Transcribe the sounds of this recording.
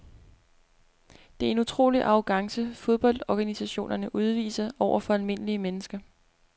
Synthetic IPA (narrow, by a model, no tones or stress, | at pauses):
d̥e̝æɐe̝nut͡sʰʁo̝̰ːliʔɑ̈ʊɡ̥ɑ̈ŋsəfo̝ð̞ˠb̥ɒ̽l̰d̥ɒɡ̥ænisæɕo̝̰ːnʔɐnəʔuð̞ˠʋḭːsɐɒʊ̰ɐfɒ̽ælme̝n̰əliəmenəsɡ̥ɐ